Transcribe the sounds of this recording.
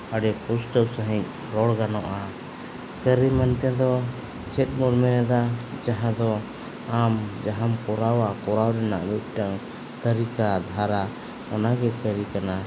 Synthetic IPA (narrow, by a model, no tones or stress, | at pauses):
əɖɛpusʈəksəɦĩc̚ˀ | ɾɔɽɡanɔʔa | kəɾimant̪ɛd̪ɔ | t͡ʃɛt̪̚ˀmuɾmɛɾɛd̪ad͡ʒaɦãd̪ɔ | amd͡ʒaɦamkɔɾawakɔɾawɾɛna̰ʔmit̪̚ˀʈaŋ | t̪əɾikad̪ʱaɾa | ɔnaɡɛkəɾikana